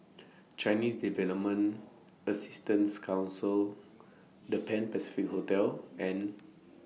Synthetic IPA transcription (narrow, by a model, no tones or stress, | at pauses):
t͡ʃajnisdivɛləp̚mə̃n | əsi̥stə̃nskʰãw̃nsil | dəpɛ̃npɛsi̥fikhotɛlɛ̃n